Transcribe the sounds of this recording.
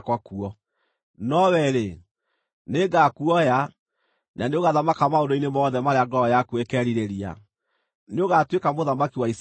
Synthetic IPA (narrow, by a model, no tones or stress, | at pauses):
kwakuɔ | nɔwɛɾe | neɡakuɔja | naneoɣaðamakamaondoinemɔðɛmaɾeaɡɔɔjakwekɛːɾiɾeɾia̰ | neoɣatwekamoðamakiwais